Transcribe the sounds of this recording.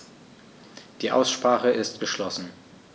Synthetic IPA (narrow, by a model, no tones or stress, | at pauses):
d̥iːʔa̰ʊsʃpʁ̥aːχəʔɪstɡ̥əʃlɔsn̩